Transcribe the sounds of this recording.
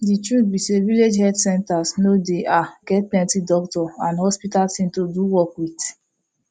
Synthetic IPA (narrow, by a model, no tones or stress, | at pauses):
ditɹutbiseviled͡ʒhɛdsɛ̃ntasnodeʔaɡ̥ɛtlɛ̃ntidɔktɔãnhɔspitaltĩntoduwɔkwit